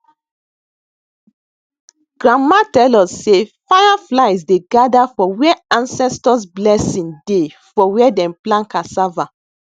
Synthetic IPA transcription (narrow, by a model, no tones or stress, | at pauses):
ɡ̥ɹãmːatɛlɔsːefanaflaɪsdeɡadafɔwɛãnsɛstɔsblɛsĩnde | fɔwɛdɛ̃mplãnkãsava